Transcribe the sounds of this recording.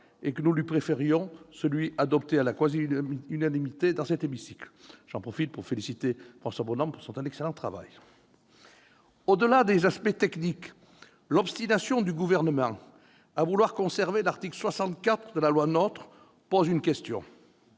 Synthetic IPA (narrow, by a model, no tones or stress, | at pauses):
ekənulɥipχefeʁjɔ̃səlɥiʔad̪ɔpt̪ealakwaziynanimit̪ed̪ɑ̃sɛt̪emisiklʒ̥ɑ̃pχɔfit̪̚puʁfelisit̪efχɑ̃swabɔnɔ̃puʁsɔ̃t̪ɛnɛkselɑ̃t̪χava̰j | od̪əlad̪ezaspɛt̪ɛknik | lɔpst̪inasjɔ̃d̪yɡuvɛʁnəmɑ̃ | avulwaʁkɔ̃sɛʁvelaʁt̪ikləswasɑ̃t̪kat̪χəd̪əlalwanɔt̪χ | pozynkʲɛst̪jɔ̰̃